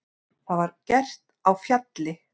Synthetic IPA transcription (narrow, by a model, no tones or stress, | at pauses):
θaðvaɾcɛr̥t̪awfjat̪lɪ